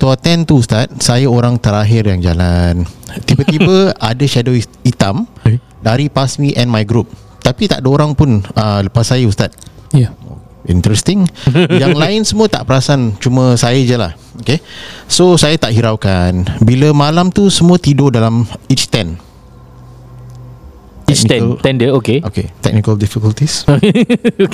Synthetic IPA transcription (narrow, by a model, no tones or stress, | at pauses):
t̪uat̪ɛnt̪uust̪at̪̚sajaoɾaŋt̪əɾaɦɪrjaŋd͡ʒa̰lant̪ibət̪ibəadəʃado | it̪am | daɾipasmiʔɛ̃nmajɡɾup̚ | t̪apit̪a̰ʔdəoɾaŋpʊnələpasːajəust̪at̪̚ | ḭnt̪ɾɛst̪ɪŋjaŋlaɪnsəmuət̪a̰ʔpəɾasant͡ʃumə̃sajad͡ʒəla̰h | okesosajat̪aʔɦiɾawkanbiləmalamt̪usəmuət̪idodalamit͡ʃt̪ɛn | ikt͡ʃɛɛndəokeokḛt̪ɛ̰k̚nikəldifikəlt̪is | k